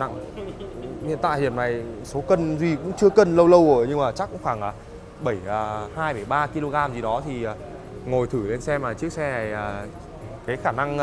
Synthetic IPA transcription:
na̰˧˨ŋ | ʔḭ˧˨nt̪a̰ː˧˨jhi˨˩əmna˨˩jso˨˦kə˧nzwi˨˩kʊ̰˧˥ŋ͡mt͡ɕɨ˧əkə˧nlə˧wlə˧wʔəː˧˩ɲɨ˧ŋŋ͡mmaː˨˩t͡ɕa˦˥kːʊ̰˧˥ŋ͡mxwaː˧˩ŋʔaː˨˩ | ɓə˧˩jəː˨˩haː˧jfə˧˩jɓaː˧ki˧lo˧ɣaː˧mzi˨˩ɗɔ˨˦t̪ʰiː˨˩˨ | ŋo˨˩jt̪ʰɨ˧˩le˧nsɛ˧mlaː˨˩t͡ɕɨ˦˥ək̚sɛ˧na˨˩jaː˨˩ | kaː˨˦jxaː˧˩na˧ŋ

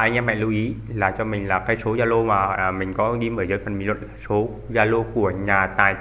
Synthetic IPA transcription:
ʔa˧jŋʔɛː˧mɛ̰˧˨lu˧˦wʔi˨˦laː˨˩t͡ɕɔ˧mï˨˩ŋ̟laː˨˩kaː˧˦jso˨˦zaː˧lo˧maː˨˩˨mï˨˩ŋ̟kɔ˨˦ɣi˧mʔəː˧˩jzəː˨˦jfə˨˩nmḭ˨lwə̰˧˨n˧˦so˨˦ | zaː˧lo˧ku˧˩əɲaː˨˩t̪aː˨˩j

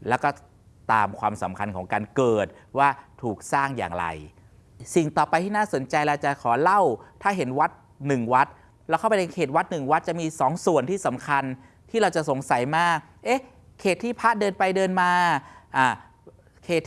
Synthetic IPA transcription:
lɛː˦˥wkɔː˥˩ | t̪aː˧mkʰwaː˧msa˩˦mkʰa˧nkʰɔː˩˦ŋkaː˧nkɤː˨˩t̪̚ | waː˥˩t̪ʰuː˨˩k̚saː˥˩ŋja̰ː˨˩ŋɾa̰˧j | si˨˩ŋt̪ɔː˨˩pa˧jt̪ʰiː˥˩naː˥˩so˩˦nt͡ɕa˧jla˧wt͡ɕa˨˩kʰɔː˩˦la˥˩wt̪ʰaː˥˩ɦe˩˦nwa˦˥t̪̚ | nɯ˨˩ŋwa˦˥t̪̚ | lɛ˦˥wkʰa˥˩pa˧jt̪ʰe˧ŋkʰeː˨˩t̪̚wa˦˥t̪̚nɯ˨˩ŋwa˦˥t̪̚t͡ɕa˨˩miː˧sɔː˩˦ŋsu˨˩ənt̪ʰiː˥˩sa˩˦mkʰa˧n | t̪ʰiː˥˩ɾa˧wt͡ɕa˨˩so˩˦ŋsa˩˦jmaː˥˩k̚ʔe˦˥ | kʰːeː˨˩t̪ʰːiː˥˩pʰa˦˥dɤː˧npa˧jdɤː˧nmaː˧ʔaː˧˩ | kʰeː˨˩t̪ʰː

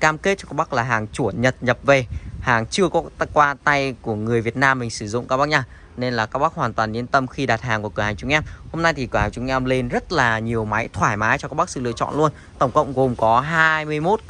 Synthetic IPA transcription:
kaː˧mke˦˥t̚t͡ɕɔ˧kaː˦˥k̚ɓa˦˥k̚laː˨˩ɦaː˨˩ŋt͡ɕu˧˩ənɲə˨˩t̚ɲə˨˩p̚ve˨˩haː˨˩ŋt͡ɕɨ˧əkɔ˨˦˧kwaː˧t̪a˧jku˧˩əŋɨ˨˩əjvi˨˩ət̚naː˧mː˨˩ŋ̟sɨ˧˩zʊ̰˧˨ŋ͡mkaː˦˥kɓk̚ɲa˧ | ne˧nlaː˨˩kaː˦˥k̚ɓa˦˥k̚hwaː˨˩nt̪waː˨˩nːi˨˦ənt̪ə˧mxi˧ɗaː˨˩t̚ɦaː˨˩ŋku˧˩əkəː˧˩haː˨˩ŋt͡ɕʊ˨˧˦ŋʔɛ˧mho˧mna˧jt̪ʰi˨˩kɨ˧˩haː˨˩ɲt͡ɕʊ˨˦ŋʔɛ˧mle˧nzə˦˥t̚laː˨˩ɲi˨˩əwma˨˦jt̪ʰwaː˧˩jmaː˨˦jt͡ɕɔ˧kaː˦˥k̚ɓk̚sɨ̰˧lɨ̰˧ət͡ɕɔ̰˧˨nlu˧ən | t̪ə˧˩wŋ͡mkə̰˧˨wŋ͡mɣo˨˩mkɔ˨˦ɦaː˧jmɨ˧əjmo˦˥t̚

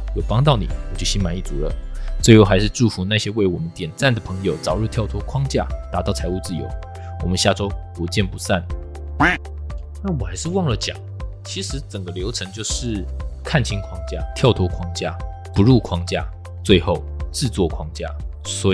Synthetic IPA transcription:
jo˨˩pɑ˥ŋt̪ɑ˥˩ʊnḭ˨˩wɔ˨˩t͡ɕjo˥˩ʊɕi˥nma˧˥ni˥˩t͡su˨˥lə̰˨˦t͡swe˥˧ɪjo˥˩xa˧ɪʂɻ̩˥˧ʈ͡ʂu˥˩fu˧˥na˥˧ɕjɛ˥we˥˩ɪwɔ˨˩mə˦nt̪jɛ˨˩nt͡sa˥˩nd̪ə˩pʰɤ˧˦ŋjo˨˩ʊt͡sɑ˨˩ʊɻu˥˧t̪ʰjɑ˥˩ʊt̪ʰwɔ˥kʰwɑ˥ŋt͡ɕja˥˩t̪a˨˧˥t̪ɑ˥˩ʊt͡sʰa˧˥ɪu˥˧t͡sɹ̩˥˩jo̰˧˥ʊ | wɔ˨˩mə˦nɕja˥˩ʈ͡ʂo˥ʊpu˨˧˥t͡ɕjɛ˥˩npu˧˥˦sa˥˩n˥ | na˥˩wɔ˨˩xa˧˥ɪʂɻ̩˥˧wɑ˥˩ŋlə˨t͡ɕjɑ̰˨˩˦ŋ | t͡ɕʰi˧˥ʂɻ̩˧˥t͡sə˨˩ŋɡə˦ljo˧˥ʊʈ͡ʂʰɤ˧˦ŋt͡ɕjo˥˧ʊʂɻ̩˥˩kʰa˥˩nt͡ɕʰi˥ŋkʰwɑ˥ŋt͡ɕja˥˩t̪ʰjɑ˥˩ʊt̪ʰwɔ˥kʰwɑ˥ŋt͡ɕja˥˩ | pu˧˦ɻu˥˩kʰwɑ˥ŋt͡ɕja̰˥˩ | t͡swe˥˧ɪxo˥˩ʊʈ͡ʂɻ̩˥˧t͡swɔ˥˩kʰwɑ˥ŋt͡ɕja̰˥˩ | swɔ˧˥

